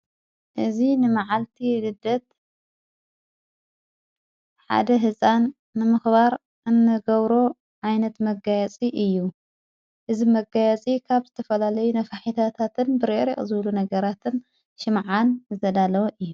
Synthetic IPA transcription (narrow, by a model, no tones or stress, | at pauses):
ʔɨzinɨmaʕalt̪ʰilɨd̪ːɐt̪̚ | ħa̰d̪ɐɦɨsʼanː | ɨmɨxbaɾ | ʔɨnːɨɡɐβɾo̞ | ʕajnɐt̪mɐɡajɛt͡sʼiʔɨjːu | ʔɨzimɐɡajɛt͡sʼikʰaβzɨt̪ʰɐfɐlalɐjunɐfaħit̪ʰat̪ʰat̪ʰɨnbɨɾeɾḭχʼzɨβlunɐɡɐɾat̪ʰɨn | ʃɨmʕanzɨzʰɐd̪alɐwoʔɨjːu